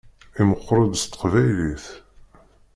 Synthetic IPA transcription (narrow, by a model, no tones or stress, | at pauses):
iməχːɾˤəd̪st̪ə̥qvæjliθ